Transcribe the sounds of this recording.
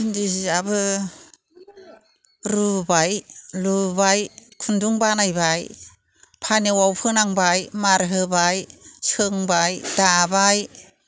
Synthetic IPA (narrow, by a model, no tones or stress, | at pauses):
indiziabɯ | ɾubajlubajkʰunduŋbanajbaj | pʰanewawpʰɯnaŋbajmaɾɦɯbajsɯŋbajd̥abaj